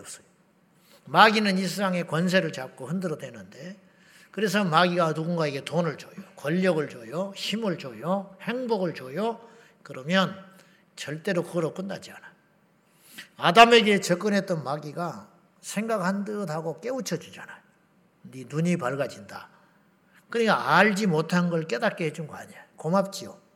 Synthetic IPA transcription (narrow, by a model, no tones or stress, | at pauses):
s͈ʌ̥jo | maɡinɯnis̬ʰsaŋe̞kwʌns̬ʰe̞ɾɯɭt͡ɕap̚k͈ohɯndɯɾʌdwe̞nɯnde̞ | kɯɾe̞s̬ʰʌmaɡiɡanuɡuŋɡaiɡe̞tonɯɭt͡ɕojokwʌʎːʌɡɯɭt͡ɕojoçimɯɭt͡ɕojohe̞ŋboɡɯɭt͡ɕojo | kɯɾʌmjʌn | t͡ɕʌɭt͈e̞ɾokɯɡʌɾok͈ɯndad͡ʑia̰najo | adame̞ɡe̞t͡ɕʌk͈ɯnɦe̞t͈̚ʌnmaɡiɡa | sʰe̞ŋɡaɡhandɯdɦaɡok͈e̞ut͡ɕʰʌd͡ʑud͡ʑanajo | ninuɲipaɭɡad͡ʑinda | kɯɲik͈aaɭd͡ʑimotʰannɡʌɭk͈e̞dat̚k͈eɦed͡ʑunɡʌa̰ɲiajokomap̚t͡ɕ͈io